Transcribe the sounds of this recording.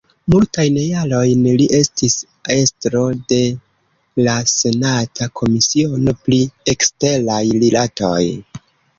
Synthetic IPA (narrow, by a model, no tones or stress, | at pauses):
multajnejalo̞jnliʔe̞stis | e̞stɾo̞de̞ | lase̞natʰakʰo̞misio̞no̞pliekste̞lajlilato̞̰j